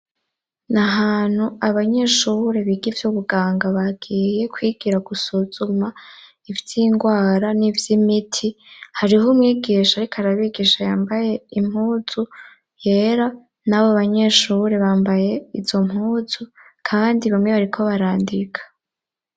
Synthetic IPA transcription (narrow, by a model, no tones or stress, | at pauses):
naɦaːn̥huaβaɲe̞ʃuɾe̞βiɡivjuβuɡaːŋɡaβaɡiːje̞kʰwiːɡiɾaɡusuz̥uma | ivjiŋɡwaːɾanivjimitʰihaɾiɦomŋiːɡiːʃaɾikʰaɾaβiɡiːʃajaːmbaje̞im̥huːz̥u | je̞ːɾa | naβoaβaɲe̞ʃuɾeβaːmbaje̞izz̥o̞mhuːz̥u | kʰaβːndiβamŋe̞βaɾikʰo̞βaɾaːndikʰḁ